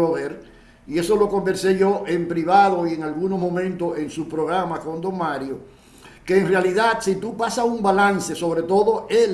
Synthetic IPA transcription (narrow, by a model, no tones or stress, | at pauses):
oðeɾ | ie̞so̞lo̞ko̞mbe̞ɾse̞ʝo̞ʔe̞mpɾiβaðo̞ieŋalɣunozmõ̞mẽnt̪oeŋsupɾo̞ɣɾamako̞nd̪o̞ŋmaɾjo | keːŋrealiðat̪sit̪upasaumbalanse̞so̞βɾe̞t̪o̞ðo̞el